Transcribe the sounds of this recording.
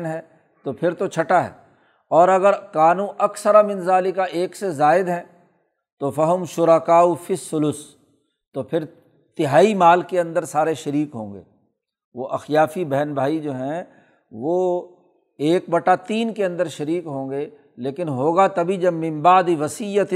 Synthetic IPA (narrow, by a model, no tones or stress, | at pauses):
nɦɛː | t̪opʰɪɾt̪ot͡ʃʰɐʈaɦɛ̰ː | ɔːɾɐɡəɾkaːnũːʔɐksəɾamɪ̃nzaːlikaʔeːksezaːɪd̪ɦɛ̃ː | t̪ofɐɦʊmʃʊɾakaːufɪsːʊlʊs | t̪opʰɪɾ | t̪ɪɦaːimaːlkeɐ̃nd̪əɾsaːɾeʃɐɾiːkɦõːŋɡḛː | ʋoʔɐxjaːfibɛɦnbʱaːid͡ʒoːɦɛ̃ | ʋoː | eːk̚bɐʈat̪iːnkeɐ̃nd̪əɾʃɐɾiːkɦõːŋɡeː | leːkɪnɦoːɡat̪ɐbʱid͡ʒɐbmɪ̃mbaːd̪iʋɐsijət̪